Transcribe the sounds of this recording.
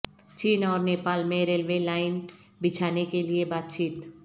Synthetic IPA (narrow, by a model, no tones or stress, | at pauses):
t͡ʃiːnɔːɾneːpaːlmẽɾelʋelaːɪn | bɪt͡ʃʰaːnekeliebaːt̪̚t͡ʃiːt̪